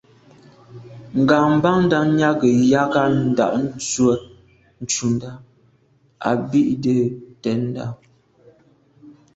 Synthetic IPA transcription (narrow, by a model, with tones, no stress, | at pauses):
ŋ̩˨ɡa˨m̩˦ba˦ŋn̩˦da˦ɲa˦ɡə˨ja˦ɡa˦n̩˦da̰˨ʔn̩˦t͡sɥə˦ | n̩˦t͡ʃu˨n˦da˦ | a̰˨bi˦ʔdə˦tɛ˨˦n˦da̰˦˨